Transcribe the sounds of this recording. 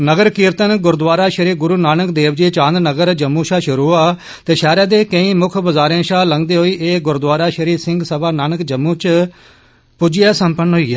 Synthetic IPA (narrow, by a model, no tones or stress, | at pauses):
nəɡəɾkɪːɾt̪ənɡʊɾd̪ʋaːɾaːʃəɾiːɾɡʊɾuːnaːnəkd̪eːʋd͡ʒiːt͡ʃãːnd̪nəɡəɾd͡ʒəmːũːʃaːʃʊɾuːaː | t̪eːʃɛːɾaːd̪eːkəĩːmʊkʰbəzaːɾẽːʃaːləŋɡd̪eːɦoːiːʔeːɡʊɾd̪ʋaːɾaːʃəɾiːɾsɪ̃ŋɡsəbaːnaːnəkd͡ʒəmːũːt͡ʃ | pʊd͡ʒɪjaːsəmpənɦoiːaː